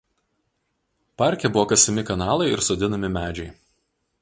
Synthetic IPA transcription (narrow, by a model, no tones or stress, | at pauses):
pɑˑɾʲkʲɛbʊʋoːkɐsʲɛmʲɪkɐnɑːlˠɐɪɪ̰ɾsoːd̪ʲɪnɐmʲɪmʲæːd͡ʒʲɛɪ